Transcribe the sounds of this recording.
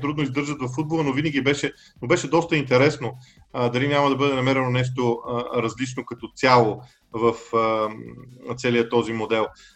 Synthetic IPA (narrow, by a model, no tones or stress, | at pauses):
t̪ɾud̪noizd̪ɤɾʒət̪vɐfːud̪̚bolˠənovinəɡʲibɛʃɛ | nobɛʃɛd̪ɔst̪əint̪ɛɾɛsno | d̪ɐlinʲamɐd̪ɐbɤd̪ɛnɐmɛɾɛnonɛʃ̬t̪oɾɐzlit͡ʃnokɐt̪ɔt̪sʲjalˠo | vəfə | t̪sɛlijət̪ɔzimod̪ɛlˠ